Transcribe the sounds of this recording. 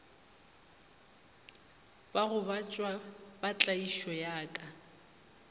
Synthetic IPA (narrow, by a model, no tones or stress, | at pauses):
baɣʊbat͡ʃʼwabat͡ɬʼaiʃɔjaːkʼa